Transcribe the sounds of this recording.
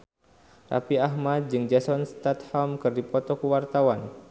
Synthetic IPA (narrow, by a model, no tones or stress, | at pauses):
ra̰piaɦmat̪̚d͡ʒɨŋd͡ʒasɔnst̪at̪hɔmkɨrdipɔt̪ɔkəwart̪awan